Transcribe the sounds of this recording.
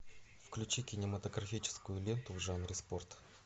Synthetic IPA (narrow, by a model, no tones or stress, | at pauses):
fklʲʉt͡ɕikʲɪnʲɪmət̪əɡɾɐfʲit͡ɕɪ̥skʊjʊlʲe̞nt̪ʊvʐanɾʲɪspo̞rt̪